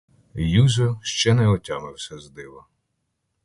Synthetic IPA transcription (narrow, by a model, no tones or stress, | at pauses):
juzʲʊʃt͡ʃɛnɛɔtʲɑmɪwsʲɐzd̪ɪʋɐ